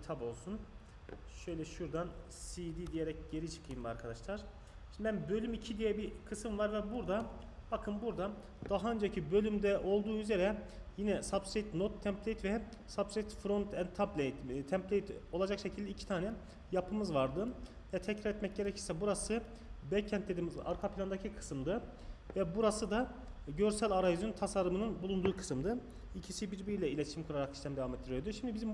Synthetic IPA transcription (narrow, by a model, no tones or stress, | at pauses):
t̪ʰabo̞lˠsun | ʃø̞jlʲɛʃuɾd̪an | siːd̪iːd̪ijeɾɛcɟe̞ɾit͡ʃʰɯ̥kʰɯjɯmba̰ɾkʰad̪aʃlˠaɾ̥ | ʃʃind̪ibænbø̞lʲymicʰid̪ijɛbikʰɯsɯmvaɾvɛbuɾd̪a | b̥akʰɯnbuɾd̪a | d̪̥aɦaønd͡ʒacʰibø̞lʲymd̪ɛʔo̞lˠd̪uːyze̞ɾɛjinɛsapsejt̪not̪ʰːɛmpʰlʲejit̪vɛ | sabpset̪fɾont̪ʰɛnt̪ʰːaplʲejt̪t̪ʰɛmplʲejt̪ʰo̞lˠad͡ʒakʃe̞cʰilʲd̪ɛicʰi̥t̪ʰaːnɛ | japʰɯmɯzvaɾd̪ɯ | vɛt̪ʰɛcɾaɾɛt̪mɛc̚ɟe̞ɾɛcʰiɾsɛbuɾasɯ | bɛcʰːɛnt̪d̪eiːmiza̰ɾkʰapʰilʲand̪acʰikʰɯ̥sɯmd̪ɯ | vɛbuɾasɯd̪a | ɟø̞ɾsælʲaɾajzynt̪ʰasaɾːɯmɯnɯnbulˠund̪uːkʰɯ̥sɯmd̪ɯ | icʰisibiɾbiɾilʲɛilʲet̪ʰʃimkʰuɾaɾaksiʃt̪æmd̪evamet̪ːiɾijɾd̪uʃimd̪ibizim